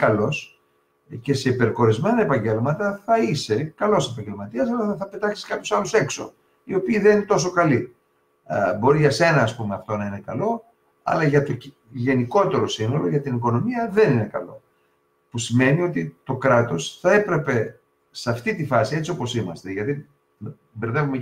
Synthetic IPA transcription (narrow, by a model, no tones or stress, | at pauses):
kɐlo̞s | ce̞se̞ipe̞ɾko̞ɾizme̞nɐe̞pɐɲɟe̞lmɐt̪ɐθɐise̞kɐlo̞sep̬ɐɲɟelmɐt̪iɐsɐlɐθɐθɐpe̞t̪ɐksi̥skɐpçosɐluse̞kso̞̰ | io̞piːðeninet̪o̞so̞kɐli | bo̞ɾiʝɐse̞nɐːspume̞ɐft̪o̞nɐine̞kɐlo̞ | ɐ̰lɐʝɐt̪o̞ | ʝe̞niko̞t̪e̞ɾo̞sino̞lo̞ʝɐt̪iniko̞no̞miɐðe̞ninekɐ̰lo̞̰ | pusime̞nio̞t̪it̪o̞kɾɐt̪o̞sθɐe̞pɾe̞pe̞ | sɐft̪it̪ifɐsie̞t͡sio̞po̞simɐst̪eʝɐt̪i | beɾðevume